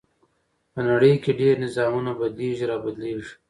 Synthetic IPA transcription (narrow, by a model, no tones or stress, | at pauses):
pənaɽəjkeɖeɾnɪzɑːmunabad̪leːʒiɾɑːbad̪leːʒi̥